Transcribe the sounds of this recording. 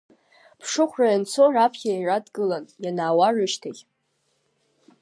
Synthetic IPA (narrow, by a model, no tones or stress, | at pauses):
pʰʂɨχʷrajant͡sʰorapʰχʲairadɡɨlanjanaːwarɨʃtʰaχʲ